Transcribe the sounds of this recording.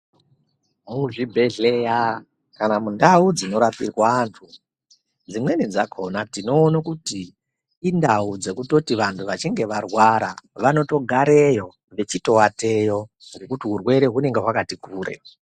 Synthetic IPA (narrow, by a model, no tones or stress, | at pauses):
muʐibʱe̞ɮeja | kanamundaud͡zino̞ɾapḭrwaːntʰu | d͡zimwe̞nid͡zakʰonatino̞ːnakutiː | ndaud͡ze̞kuto̞tiʋantʰuʋat͡ʃiŋɡe̞ʋarwaɾaʋano̞to̞ɡʱaɾe̞jo̞ | ʋe̞t͡ʃito̞wate̞jo̞ | ŋɡe̞kutiɦurwe̞ɾe̞ɦune̞ŋɡe̞ɦwakatikuːɾe̞̰